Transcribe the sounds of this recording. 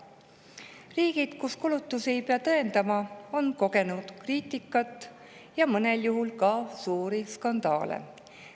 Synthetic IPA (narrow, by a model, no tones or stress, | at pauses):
riːɡ̥id̪̥kuskulut̪ːˑuse̞jpeɑt̪ɤend̪̥ɑmɑo̞nko̞ɡe̞nud̪̥kriːt̪ˑikːˑɑt̪ːˑ | jɑmɤne̞ljuɦulkɑsuːɾiskɑnd̪ɑ̰ːlḛ